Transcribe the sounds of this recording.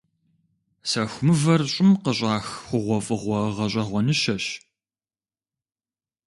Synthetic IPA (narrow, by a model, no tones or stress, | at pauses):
sɐxʷmɨvɐrɕʼɪmqəɕʼɑːxxʷʊʁʷɔfʼɨʁʷɔʁɐɕʼɐʁʷɔnɨʃɐɕ